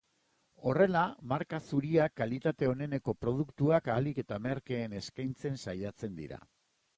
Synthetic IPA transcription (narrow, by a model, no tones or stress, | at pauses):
o̞re̞lamaɾkasuɾiakːalit̪at̪e̞o̞ne̞ne̞ko̞pɾo̞ð̞ukt̪uakalike̞t̪ame̞ɾke̞ːne̞skajnt͡se̞nsajat͡se̞nd̪ḭɾa̰